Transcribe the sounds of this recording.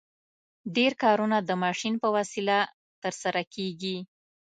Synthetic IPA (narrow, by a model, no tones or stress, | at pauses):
ɖeɾkɑɾunad̪əmɑʃinpəwasila | t̪əɾsaɾakʰeɡi